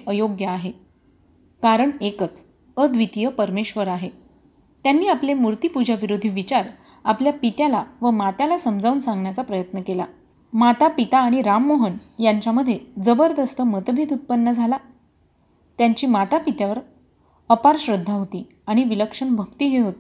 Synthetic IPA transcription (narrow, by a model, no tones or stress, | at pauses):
əjoɡjəːɦe | kaɾəɳekət͡s | əd̪ʱʋit̪ijəpəɾmeɕʋəɾaɦe | t̪janːiːaplemuɾt̪ipud͡ʑaʋiɾod̪ʱiʋit͡ɕaɾ | apljapit̪jalaʋəmat̪jalasəmd͡zʱauːnsãŋɡɳjat͡sapɾəjət̪nəkela̰ | mat̪apit̪aːɽ̃iɾamːoɦənjaɲt͡ɕjaməd̪ʱːjed͡zəbəɾd̪əst̪əmət̪bʱet̪ut̪̚pənːəd͡zʱala | t̪jaɲt͡ɕiːmat̪apit̪jaʋəɾ | əpaɾɕɾəd̪ʱːaɦot̪iː | aɽ̃iʋiləkʂəɳbʱəkt̪iːɦeɦot̪e̥